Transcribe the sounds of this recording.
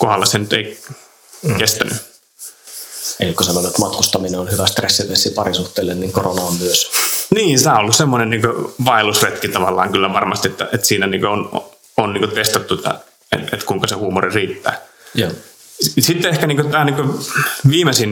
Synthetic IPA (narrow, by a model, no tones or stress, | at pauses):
kohɑlːɑsenyt̪ḛi | kest̪æny | ḛlikːosɑnonet̪mɑt̪kust̪ɑmineonhyʋæst̪resːiʋesːipɑrisuht̪ːˑeːlːenniːŋkoronɑommyøsniːnsæːolːussemːonenniːŋkøʋɑilusret̪kit̪ɑʋɑlːɑːŋkylːæʋɑrmɑst̪iet̪ːæ̰et̪siːnæniːŋkøon̰ | onniːŋkøt̪est̪ɑt̪ːut̪ɑ̰ | ḛet̪kuiŋkɑsehuːmoririːt̪ːæ̰ː | jo | sit̪ːeehkæniːkøt̪æːniːŋkøʋiːmesin